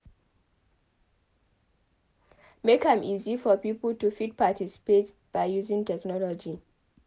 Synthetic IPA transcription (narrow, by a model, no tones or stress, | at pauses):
mekãmizifɔpipəl̩tufid̚patisi̥pet | b̥aɪjuzĩŋtɛknɔlɔd͡ʒi